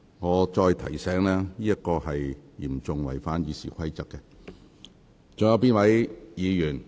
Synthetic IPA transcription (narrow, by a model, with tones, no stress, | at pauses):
ŋɔː˨˧t͡ʃɔː˧jt̪ʰɐ̰˨˩jsɛː˨˥ŋlɛː˥niː˥jɐ˥t̚kːɔː˧hɐ˨jjiː˨˩mt͡sʊ˨ŋwɐ̰˨˩jfaː˨˥njiː˨˧sḭː˨˩kʰʷɐ˥jt͡sɐ˨˥kːɛ˧ | t͡sʊ˨ŋjɐ˧wp̬iː˥nwɐ˨˥jjiː˨˧jyː˨˩n